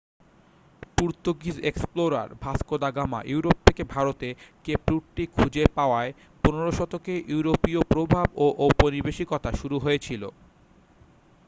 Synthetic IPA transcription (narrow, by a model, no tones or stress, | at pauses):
puɾt̪oɡizeksploɾa̰ɾbʱaskod̪aɡama̰ʔjuuɾop̚t̪ʰekebʱaɾot̪ekepɾuʈʈikʰud͡ʑepaoae | poneɾoʃɔt̪okeʔjuwɾopiopɾobʱaboʔopoɾibeʃikot̪aʃuɾuɦoet͡ɕʰilo̰